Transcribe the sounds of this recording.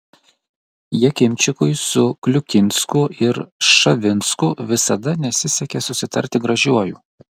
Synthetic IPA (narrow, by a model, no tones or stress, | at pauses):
jɛkʲɪmʲt͡ʃʲɪkʊɪsʊklʲʊkʲɪnʲskʊɪɾʃɐʋʲɪnʲskʊʋʲɪsɐd̪ɐnʲɛsʲɪsʲɛkʲɛsʊsʲɪt̪ɐ̰ɾʲt̪ʲɪɡɾɐʒʲuɔjuː